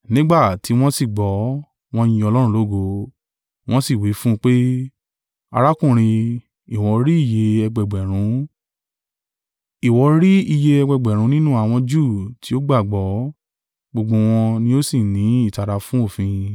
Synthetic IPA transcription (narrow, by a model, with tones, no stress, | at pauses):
nĩ˦ɡ͡ba˦˨ti˨˦w̃ɔ̃˦si˦˨ɡ͡bɔ˨˦ | w̃ɔ̃˦jĩ˧ɔ˧lɔ˦ɾ̃ũ˧˦lo˦˨ɡo˧ | w̃ɔ̃˦si˦˨wi˨˦fũ˦k͡pe˦ | a̰˧ɾa˦kũ˦˨ɾ̃ĩ˧ | i˨w̃ɔ˨˧ɾi˦i˦˨je˧ɛ˧ɡ͡bɛ˨ɡ͡bɛ˨ɾ̃ũ˨˦ | i˨wɔ˨˧˦ɾi˦i˧je˧ɛ˧ɡ͡bɛ˧ɡ͡bɛ˨ɾ̃ũ˨˦nĩ˦nũ˦a˦˨w̃ɔ̃˧d͡ʒu˦˨tʰi˨˦o˦ɡ͡ba˦˨ɡ͡bɔ˨˦ | ɡ͡bo˧ɡ͡bo˧w̃ɔ̃˧nĩ˦o˦si˦˨nĩ˨˦i˦˨ta˨˧ɾa˧fũ˦o˦˨fĩ˧